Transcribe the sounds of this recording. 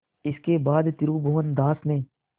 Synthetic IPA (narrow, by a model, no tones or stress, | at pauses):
ɪskeːbaːd̪t̪ɪɾuːbʱoːənd̪aːsnẽː